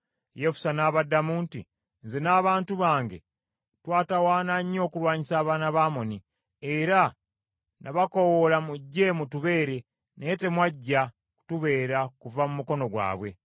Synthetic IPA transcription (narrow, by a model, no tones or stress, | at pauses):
jefu̥sanaːβadːamuːntḭ | nzenaːβaːntuβaːŋɡe̞̰ | twaːtawaːnaɲːo̞ːkulwaːɲisaːβaːnaβaːmoni | eɾa | naβako̞wolamuɟːe̞mutuβe̞ːɾe̞ | nete̞mwaɟːa | ku̥tuβe̞ːɾakuvamumuko̞no̞ɡwa̰ːβwe̞̰